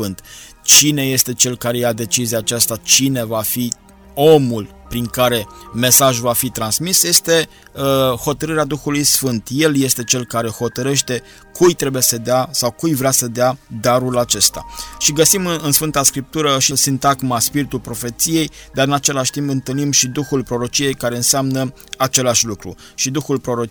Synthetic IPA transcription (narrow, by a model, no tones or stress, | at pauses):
fɨnt̪ | t͡ʃine̞je̞st̪e̞t͡ʃe̞lkaɾe̞jad̪e̞t͡ʃiziaːt͡ʃast̪at͡ʃine̞vafi | o̞mul | pɾiŋkaɾe̞me̞saʒvafit̪ɾansmisje̞st̪e̞ | əho̞t̪əɾɨɾead̪uxulujsfɨnt̪je̞lje̞st̪e̞t͡ʃe̞lkaɾe̞ho̞t̪əɾe̞ʃt̪e̞ | kʰujt̪ɾe̞bujesəd̪easawkujvɾeasəd̪ead̪aɾulat͡ʃe̞st̪a̰ʃiɡəsimɨɨnsfɨnt̪askɾip̚t̪uɾəʃisint̪aɡmaspiɾit̪ulpɾo̞fe̞t̪sije̞jd̪aɾɨnat͡ʃe̞laʃʲt̪impɨnt̪ɨlnimʃid̪uxulpɾo̞ɾo̞t͡ʃije̞jkaɾe̞ɨnseamnə | at͡ʃe̞laʃʲlukɾṵ | ʃid̪uxulpɾo̞ɾo